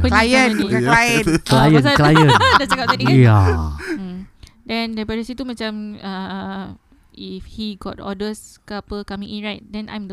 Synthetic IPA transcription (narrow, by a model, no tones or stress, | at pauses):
pəlajəəlajənklajə̃nsaklajə̃ndət͡ʃakap̪̚adija | dɛ̃ndajpadəsit̪umãt͡ʃãmə | ifhiɡɔ̰tɔ̰dəskəapəkamiʔnɹajt̚dɛ̃nã̰jmdə